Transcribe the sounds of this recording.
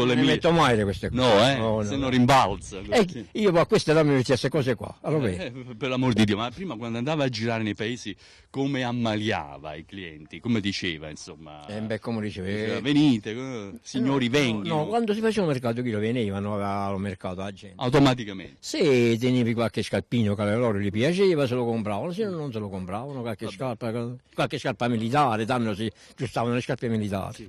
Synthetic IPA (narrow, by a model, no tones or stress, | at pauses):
kolːemimet̪ːomajɾekwest̪enɔɛɔnenːorimbalt̪saɛiːopɔkːwest̪eɾamimet̪ːiast̪ekɔːsekwa̰alovɛpeɾlamoɾd̪id̪iːomapːɾiːmakwand̪oand̪aːvaːd͡ʒiɾaːɾenejpaeːsi | komeamːalja̰ːva̰ikliɛ̰nt̪ikomed̪it͡ʃeːva̰insomːa̰ɛmbɛkːomodit͡ʃeːveaveniːt̪esiɲːoːɾivɛŋɡnɔkwand̪osifat͡ʃivaumerkaːt̪̬ʊkiloveniːvanoavlomerkaːt̪oad͡ʒːɛntawt̪omat̪̬ikamḛset̪eniːvikwalk̟ɪskalpːiːnokalelɔːɾolipjat͡ʃɛːvaselokompɾaːvanosɪnnːonselokompɾaːvanokwalkeʃkarpakakwalkeskarpamilit̪̬aːɾɪt̪anːosɪ | d͡ʒust̪aːvanolɪskaɾpemilit̪a̰ːɾi